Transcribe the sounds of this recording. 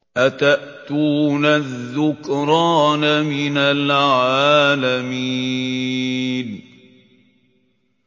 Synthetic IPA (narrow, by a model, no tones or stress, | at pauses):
ʔat̪aʔt̪uːnaðːʊkɾˤɑːnamɪnalʕaːlamiː | n